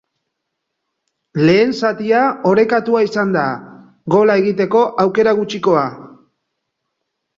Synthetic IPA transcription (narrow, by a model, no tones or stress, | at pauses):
le̞ːnsat̪iao̞ɾe̞kat̪uaisand̪a | ɣo̞lae̞ɣit̪e̞ko̞ʔawke̞ɾaɣut͡ʃiko̞a